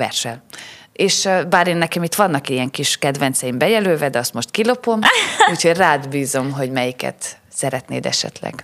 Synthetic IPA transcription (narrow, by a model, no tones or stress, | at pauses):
vɛ̰rʃɛleːʃbaːɾeːnːɛkɛmit̪ʋɒnːɒkijɛŋkiʃkɛd̪vɛnt̪sɛjimbɛjɛløːvɛd̪ɛɒst̪mo̞ʃt̪kilo̞po̞muːcho̞ɟraːd̪biːzo̞mɦo̞ɟmɛjikɛ̰t̪ | sɛɾɛt̪nḛːd̪ɛ̰ʃɛ̰t̪lɛ̰ɡ̥